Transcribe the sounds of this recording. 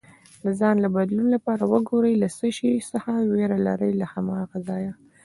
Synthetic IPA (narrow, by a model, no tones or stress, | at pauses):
d̪əzɑnlabad̪lunlapɑɾawəɡoɾəjlasəʃisəxaweɾala̰ɾəjlahamɑɣazɑja